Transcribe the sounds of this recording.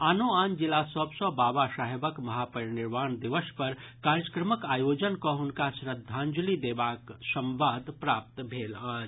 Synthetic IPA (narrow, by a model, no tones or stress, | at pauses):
aːnoaːnd͡ʒɪlasɔbsɔ̃baːbasaːɦebəkmɐɦapəɾnɪɾmaːnd̪iʋəspəɾkaːɾjəkɾəməkaːjod͡ʒənkɔɦʊnkasɾəd̪ʱːãnd͡ʒulid̪ebaːksə̃mʋaːd̪pɾaːp̚t̪bʱeːlaːd͡ʒ